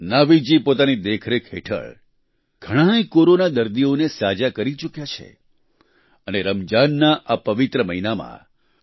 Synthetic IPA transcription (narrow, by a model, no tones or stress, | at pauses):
naʋid͡ʒipot̪anid̪ekʰɾekʰɦḛʈʰə̰ɭ | ɡ̥ʱəɽ̃ãjkoɾonad̪əɾd̪ionesad͡ʒakəɾit͡ʃukjat͡ʃʰḛ | əneɾəmd͡ʒanːaʔapəʋɪt̪ɾəməɦinamã̰